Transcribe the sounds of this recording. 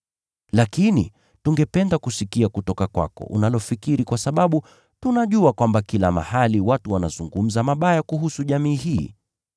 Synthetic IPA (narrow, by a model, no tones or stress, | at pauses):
lakinḭ | tuŋɡɛpɛndakusikiakutɔkakwa̰kɔ̰ʔṵnalɔfikiɾikwasaɓaɓu | tunaʄuakwambakila̰ma̰haliwatuwanazuŋɡum̩zamaɓajakuɦusuʄamiːɦiː